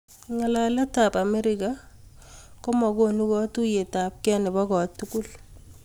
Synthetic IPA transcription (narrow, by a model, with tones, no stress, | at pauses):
ŋa˨la˨lɛ˦ta˨pa˨mɛ˦ɾɪka˦ | kɔ˦mɔ˨ɡo˦nu˦kɔ˦tu˦je˨ta˨p̚kɛ˦nɪ˨bɔ˦ɡɔ˨tːuku˦l